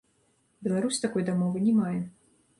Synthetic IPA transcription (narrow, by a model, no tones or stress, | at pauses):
bʲɛlˠaɾusʲt̪akɔjd̪amɔvɨnʲɛmajɛ